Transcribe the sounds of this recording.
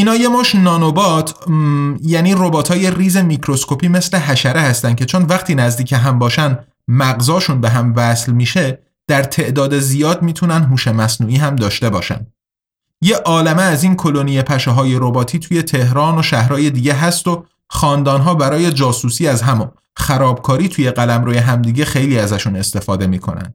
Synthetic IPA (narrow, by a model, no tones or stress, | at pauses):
iːnɒːje̞moːʃnɒːnobɒːt̪ʰ | jæːniːrobɒːt̪ʰɒːje̞riːze̞micʰɾo̞skopʰiːme̞sle̞ɦæʃæɾehæst̪ænd̪̚cʰe̞t͡ʃʰonvæxt̪iːnæzd̪iːcʰeɦæmbɒːʃænd̪ | mæɣzɒːʃunbeɦæmvæslmiːʃe̞ | d̪̥æɾt̪ʰe̞ʔd̪ɒːd̪e̞zijɒːd̪̚miːt̪ʰunænd̪ɦuːʃe̞mæsnuːiːɦæmd̪ɒːʃt̪e̞bɒ̰ːʃæ̰nd̪̥ | jeʔɒːlemeːziːnkʰo̞lonijepʰæʃeɦɒːjeɾo̞bɒːt̪ʰiːt̪ʰuːje̞t̪ʰe̞hɾɒːno̞ʃæhɾɒːje̞d̪iːɟe̞ɦæst̪o̞ | χɒːnd̪ɒːnɦɒːbæɾɒːje̞d͡ʒɒːsuːsiːæzɦæm | xæɾɒːb̚kʰɒːɾiːt̪ʰuːje̞ɣælæmɾoːje̞ɦæmd̪iːɟe̞xejliːæzæʃune̞st̪e̞fɒːd̪e̞miːkʰo̞̰næ̰nd̪̥